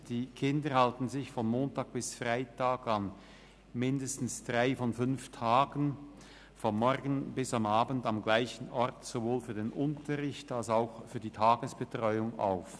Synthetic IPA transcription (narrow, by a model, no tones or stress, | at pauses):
d̥iːkʰɪndəhaltn̩zɪçfɔnmoːntaːɡ̥̚b̥ɪsfʁaɪtʰaːɡan | mɪndəstn̩sd̥ʁaɪfɔnfʏnftʰaːɡən | fɔnmɔʁɡən̩bɪsamaːbən̩tamɡlaɪçən̩ɔʁtz̥ovoːlfyːɐdeːnʔʊntʰəʁɪçtalsaʊxfyːɐdiːtʰaːɡ̥əsb̥ətʁ̥ɔʏʊŋa̰ʊf